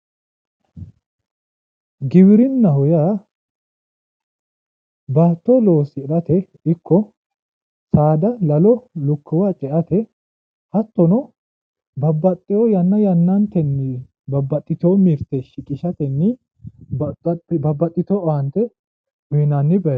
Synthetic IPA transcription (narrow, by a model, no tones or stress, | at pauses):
ɡɪbɪɾɪnːɐhʊjaː | baːt̪ːɔloːsɪɪɾɐt̪ɛ | ɪkːɔ | saːd̪ɐlɐlɔlʊkʰːɪwaːt͡ʃʼɛʔɐt̪ɛ | hɐt̪ːɔnɔ | bɐbːɐt̪ʼːɪjɔjɐnːɐjɐnːɐnt̪ɛnːɪ | bɐbːɐt̪ʼːɪt̪oːmiɾt̪ːɛʃɪkʼɪʃɐt̪ɛnːɪ | bɐbːɐt̪ʼːɪt̪oːʔɐnt̪ɛ | hʊjɪnanːɪbɐ